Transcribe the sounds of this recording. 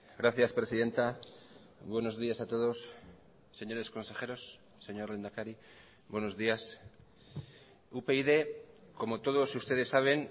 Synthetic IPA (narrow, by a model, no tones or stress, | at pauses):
ɡɾaθjaspɾe̞siðe̞nt̪a | βwe̞no̞zðiasat̪o̞ð̞o̞sː | e̞ɲo̞ɾe̞sko̞nse̞xe̞ɾo̞sː | e̞ɲo̞ɾlend̪akaɾi | βwe̞no̞zðias | upe̞iðe̞ko̞mo̞t̪o̞ðo̞sust̪e̞ð̞e̞sːaβ̞e̞n